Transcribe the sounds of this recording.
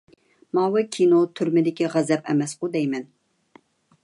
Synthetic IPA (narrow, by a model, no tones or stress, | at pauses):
mɑːwɨkʲʰinot̪ʰyɾmɪd̪ɪkʲʰiʁæzɛpɛ̰mɛsqʊd̪ɛjmɛn